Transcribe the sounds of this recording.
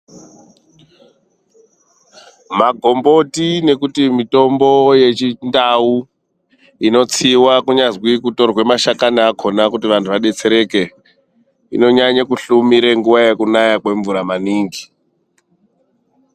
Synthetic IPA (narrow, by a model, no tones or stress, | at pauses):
maɡʱo̞mbo̞tine̞kutimito̞mbo̞je̞t͡ʃindau | ino̞t͡siwakuɲazwikuto̞rwe̞maʃakaniakʰo̞nakutiʋantʰuʋaɗe̞t͡se̞ɾe̞ke̞ | ḭno̞ɲaɲakuɬumiɾe̞ŋɡuʋajekunajakwe̞ɱvuɾamaniːŋɡi